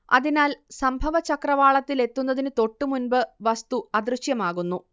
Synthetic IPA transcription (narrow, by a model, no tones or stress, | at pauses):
ɐ̰ðinaːlsɐmbʱɐʋɐt͡ɕɐkrɐʋaːɭɐt̪ːile̞t̪ːunːɐðinɨt̪o̞ʈːɨmunbɨʋɐst̪uɐd̪rɨɕjɐmaːɣunːu